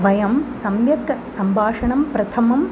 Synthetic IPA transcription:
ʋɐjɐmsɐmjɐkɐsɐmbʱaːʂɐɳɐmpɾɐt̪ʰɐmɐm

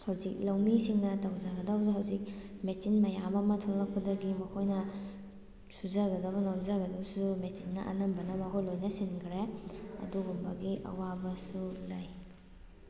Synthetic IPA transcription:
hɐwzik̚lɐwmisiŋnɐtɐwzaɡɐdɐbɐsuɦawzik̚metinmɐjamɐmɐtʰolːɐk̚pɐdɐɡimɐkʰojnɐ | suzaɡɐdɐbɐnomzaɡɐdɐbɐsumetinːɐʔɐ̰nɐmbɐnɐmɐkʰojlojnɐsinkʰɾeɐ̰duɡumbɐɡiʔɐ̰wabɐsulaj

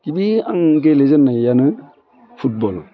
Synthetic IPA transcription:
kiɓiaŋɡelezənːajanɨ | fut̚bɔl

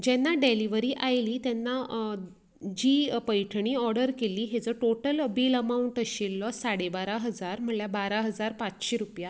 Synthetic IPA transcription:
d͡ʑɛnːaɖeliʋəɾiːʔajliːt̪jɛnːa | d͡ʑiːpəjʈʰɳ̃iːɔɾɽəɾkeliːɦed͡zəʈoʈələbiləmauɳʈəɕelːɔsaɽebaɾaɦəd͡zaɾm̤əɳljabaɾaɦəd͡zaɾpat͡sɕeɾupja

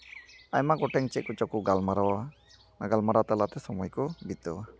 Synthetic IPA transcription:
ajmaɡɔʈɛŋt͡ʃɛt̪̚kɔt͡ʃɔkuɡalmaɾawa | aɡalmaɾat̪alat̪ɛsɔmɔjkɔbit̪ɔwa

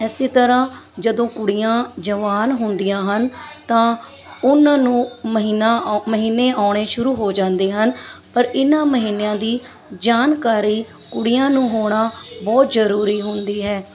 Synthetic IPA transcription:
ɛːseːt̪əɾãːd͡ʒəd̪õːkʊɽɪjãːd͡ʒəʋaːnɦʊnd̪ijãːɦənt̪ãː | ʊnãːnũːməɦiːnaːməɦiːnːeːʔaːɳ̃eːʃʊɾuːɦoːd͡ʒãːnd̪eːɦənpəɾɪnãːməɦiːnejãːd̪iː | d͡ʒaːnkaːɾiː | kʊɽɪjãːnũːɦoːɳaːbɔːt̪zəɾuːɾiːɦʊnd̪iːɦɛː

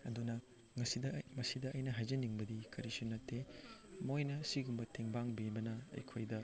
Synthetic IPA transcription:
ɐ̰dunɐ | ŋɐsidɐmɐsidɐɐjnɐɦajzɐnːiŋbɐdikɐɾisunɐtʰːemojnɐsiɡumbɐtʰeŋbaŋbibɐnɐɐ̰jkʰojdɐ

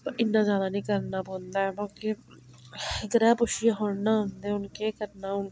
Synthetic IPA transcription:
pʔɪnːazaːd̪aːnĩːkəɾnaboːnd̪aːɛbake | ɪkɾɛːpʊʃɪjaɦoːɽnaːɦnd̪eɛ̃ʊnkekəɾnaːʊn

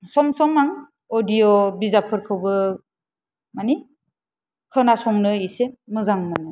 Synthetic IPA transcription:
sɔmsɔmaŋ | odijɔbizapʰɯɾkʰɯwbɯ | mani | kʰɯnasɔŋnɯisemɯzaŋmanɯ

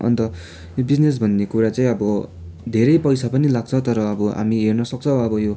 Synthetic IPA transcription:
ʔʌ̰nt̪ʌ | jobid͡znes̬bʱʌnːekuɾat͡saĩʌbʌ | d̪ʱeɾʌjpʌjsapʌnilaɡ̚t͡sʰʌt̪ʌɾʌːbʌɦa̰miɦernʌsʌk̚t͡sʰʌw̃ʌbʌjo

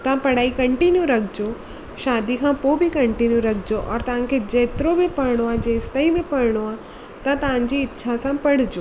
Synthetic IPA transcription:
t̪ɐãpɐɽ̤aːikɐ̃ɳʈinjuɾɐkʰɪd͡ʑo | ʃaːd̪ikʰãːpoːbɪkɐ̃ɳʈinjuɾɐkʰɪd͡ʑoʔɔ̰ːɾt̪ɐʋ̤ãkʰed͡ʑeːt̪ɪɾobɪpɐɾɽ̃oaːd͡ʑeːst̪aĩbɪpɐɽɽ̃oaː | t̪ɐt̪ɐʋ̤ãɲ̆d͡ʑiɪtːʃʰasãpɐɽ̤ɪd͡ʑoː

